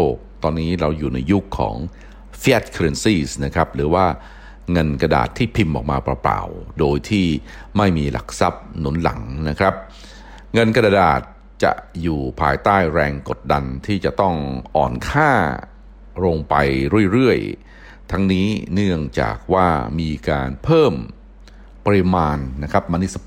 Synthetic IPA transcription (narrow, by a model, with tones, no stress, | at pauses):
oː˥˩k̚t̪ɔː˧nːiː˦˥ɾa˧wjuː˨˩na˧jːu˦˥kʰːɔ̰ː˩˦ŋ | fi˦a˦˥t̪̚kʰɾe˧nsiː˥˩sna˦˥kʰɾa˦˥p̚ɾɯː˩˦waː˥˩ | ŋɤ˧nka˧da̰ː˨˩t̪ʰːiː˥˩pʰi˧mʔɔ̰ː˨˩k̚maː˧pɾa˧pɾa̰ː˨˩wdoː˧jt̪ʰiː˥˩ | ma˥˩jmiː˧la̰˨˩k̚sa˦˥p̚nu˩˦nla̰˩˦ŋna˦˥kʰɾa˦˥p̚ | ŋɤ˧nka˧daː˧da̰ː˨˩t̪̚ | t͡ɕa̰˨˩ʔjuː˨˩pʰaː˧jt̪aː˥˩jɾɛː˧ŋko˨˩t̪̚da˧nt̪ʰiː˥˩t͡ɕa˨˩ʔt̪ɔ˥˩ŋʔɔ̰ː˨˩nkʰaː˥˩ | ɾoː˧ŋpa˧jɾu˥˩əjɾɯ˥˩əj | t̪ʰa˦˥ŋniː˦˥nɯ˥˩əŋt͡ɕa̰ː˨˩k̚waː˥˩miː˧kaː˧npʰɤː˥˩m | pa˧ɾi˧˥maː˧nːa˦˥kʰɾa˦˥p̚ma˧ni˦˥s